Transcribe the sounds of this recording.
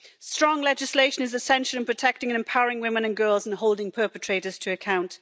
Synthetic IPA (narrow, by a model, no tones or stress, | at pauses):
stɹ̥ɒ̃ŋlɛd͡ʒɪsleɪʃə̃nɪzɪsɛ̃nʃəlˠɪ̃npʰɹ̥ətʰɛk̚tɪ̃ŋə̃nɛ̃mpʰaʊəɹɪ̃ŋwɪ̃mɪ̃nə̃nɡɜːlˠzə̃nɦoʊlˠdɪ̃ŋpʰɜˑpətʰɹ̥eɪtəz̥tʰəːkʰãʊ̃nt